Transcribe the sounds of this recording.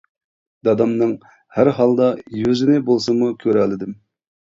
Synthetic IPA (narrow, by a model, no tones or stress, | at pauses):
d̪ɑd̪ɑmnɨŋ | hæɾɦɑlˠd̪ɑjøzɪnɪbolˠsɨmukʲʰøɾælːɪd̪ɪm